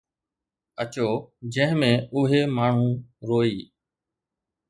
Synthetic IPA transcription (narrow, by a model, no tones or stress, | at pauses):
ət͡ʃoːd͡ʑə̃ːɦɪ̃mẽːʊɦeːmaːɳ̤ũːɾoːiː